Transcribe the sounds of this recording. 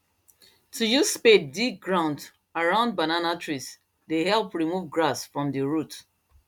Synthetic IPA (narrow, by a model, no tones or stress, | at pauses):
tʰujusspetdik̚ɡɹãʊ̃nd | aɹãʊ̃nd̚bananatʰɹis | dehɛlˠpɹimuvɡɹasfɹɔ̃mdəɹut